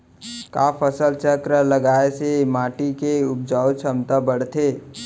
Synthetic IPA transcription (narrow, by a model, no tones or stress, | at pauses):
kaːpʰəsəlt͡ʃəkɾələɡaːesemaːʈikeʊp̚d͡ʒaːʊt͡ʃʰəmt̪abəɽ̤t̪ʰe